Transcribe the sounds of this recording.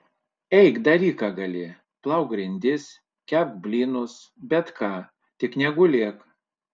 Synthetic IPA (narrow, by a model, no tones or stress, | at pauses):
ɛɪɡd̪ɐɾʲiːkɑɡɐlʲɪ | plˠɐʊkɡɾʲɪnʲd̪ʲɪs | kʲæp̪bʲlʲiːnʊs | bʲɛt̪kɑː | t̪ʲɪknʲɛɡʊlʲeɛk